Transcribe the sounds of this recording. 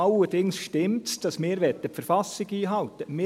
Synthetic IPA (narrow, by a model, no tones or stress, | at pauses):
ɑlərd̥ɪŋsʃtɪmtsd̥ɑsmɪːɾʋɛt̪ːəpfəɾfɑsɪɡiːɦɑlt̪əmɪ